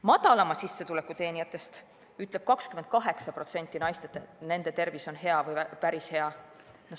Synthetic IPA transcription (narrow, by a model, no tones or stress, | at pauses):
mɑd̪̥ɑlɑmɑsisːe̞t̪ule̞kːˑut̪e̞ːnijɑt̪ːˑe̞st̪ | yt̪ˑle̞b̥̚kɑkskymed̪̥̚kɑɦe̞ksɑpro̞t̪se̞nʲt̪ːˑinɑjst̪et̪ːˑne̞nd̪e̞t̪e̞rviso̞nɦe̞ɑvɯjpæɾishe̞ɑ | no